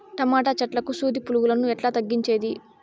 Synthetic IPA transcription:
ʈɐmaːʈaːt͡ʃɐʈlɐkusuːd̪ipuluɡulɐnuɛʈlaːt̪ɐɡːiɲt͡ʃe̞ːd̪i

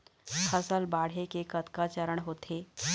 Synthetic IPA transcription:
həsəlbaɽ̤ekekət̪kat͡ɕəɾəɳɦoːt̪ʰe

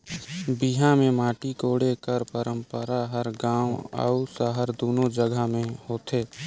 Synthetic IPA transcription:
biɦãmẽmaːʈikoːɽekəɾpəɾə̃mpəɾaɦəɾɡãːwə̰usəɦəɾd̪oːnod͡ʒəɡʱamẽhoːt̪ʰeː

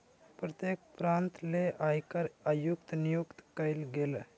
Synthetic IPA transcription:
pɾɐt̪jekpɾant̪leʔajkəɾajukt̪nijukt̪kəjlɡel

